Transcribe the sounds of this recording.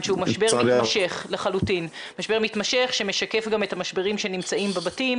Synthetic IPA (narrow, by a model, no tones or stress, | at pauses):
nʃeumaʃbeʁmimaʃeχleχalutin | maʃbe̞ʁmitmaʃe̞χʃemeʃake̞fɡamethamaʃbe̞ʁimʃe̞nimt͡saimbebatim